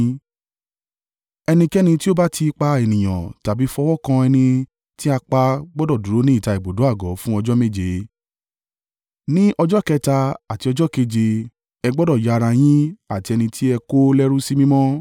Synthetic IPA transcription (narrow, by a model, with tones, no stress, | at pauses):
ɛ˧nĩ˧kɛ˦nĩ˧ti˦o˦ba˦tʰi˧k͡pa˧e˨nĩ˨j̃ã̰˨ta˨bi˨˦fɔ˧wɔ˦kã˧ɛ˧nĩ˧ | ti˦a˧k͡pa˧ɡ͡bɔ˦dɔ˦˨du˨ɾo˨˦nĩ˦i˦˨ta˨˧i˨bo˨do˨˦a˦˨ɡɔ˨˦fũ˦ɔ˧d͡ʒɔ˦me˦˨d͡ʒe˨˦ | nĩ˦ʔɔ˧d͡ʒɔ˦kɛ˧ta˧a˨ti˨˧ɔ˧d͡ʒɔ˦ke˧d͡ʒe˧ | ɛ˧ɡ͡bɔ˦dɔ˦˨ja˨˧ɾa˧j̃ĩ˦a˦˨ti˧ɛ˧nĩ˧tʰi˦ɛ˧ko˦lɛ˦ɾu˦si˦mĩ˦mɔ̃˦